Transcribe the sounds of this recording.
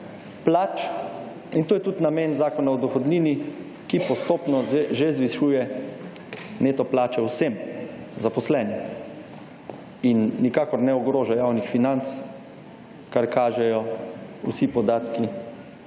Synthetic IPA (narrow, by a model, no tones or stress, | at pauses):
plaːt͡ʃ | int̪oːjɛt̪ut̪nameːnzaːkɔnaɔd̪ɔxɔd̪niːni | kipɔst̪oːpnɔeʒezʋiʃuːjɛ | neːt̪ɔplaːt͡ʃɛwsem | zapɔslɛːni | inːikaːkɔɾnɛɔɡɾoːʒajawnixfinant̪s | kaɾkaːʒɛjɔṵsipɔd̪aːt̪ki